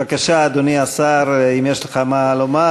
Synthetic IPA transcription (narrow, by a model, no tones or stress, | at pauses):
akaʃaːd̪oniasaɾimjeʃleχamaloma